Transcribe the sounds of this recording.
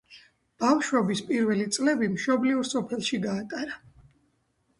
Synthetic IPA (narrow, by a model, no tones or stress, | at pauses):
b̥afʃwɛbispʼiɾvɛlit̪sʼlɛbimʃɔbliuɾsɔpʰɛlˠʃiɡaːt̪ʼaɾa